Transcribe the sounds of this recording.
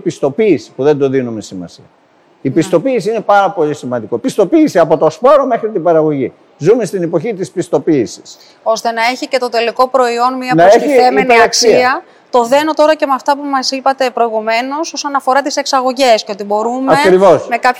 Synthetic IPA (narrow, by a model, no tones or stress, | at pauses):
pist̪o̞piːsi̥puðe̞nd̪o̞ðinume̞simɐ̰sḭɐ | ipist̪o̞piːsiine̞pɐɾɐpo̞ʎisimɐnd̪ikopist̪o̞piːsiɐpo̞t̪o̞spo̞ɾome̞xɾit̪ibɐɾɐɣo̞ʝi | zumest̪inepo̞çit̪ispist̪o̞piːsi̥s | o̞st̪e̞nɐe̞çice̞t̪ot̪e̞liko̞pɾo̞io̞nmiɐnɐeçiemeneiksiiɐ | t̪o̞ðe̞no̞t̪o̞ɾɐcemɐft̪ɐpumɐsipɐt̪e̞pɾo̞iɣume̞no̞so̞sonɐfo̞ɾɐt̪ise̞ksɐɣo̞ʝe̞sceot̪ibo̞ɾumɐe̞kɾivo̞smekɐp